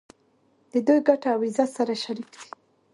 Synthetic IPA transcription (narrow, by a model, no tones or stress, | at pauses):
d̪̥əd̪ujɡaʈaawizasaɾaʃaɾikd̪i̥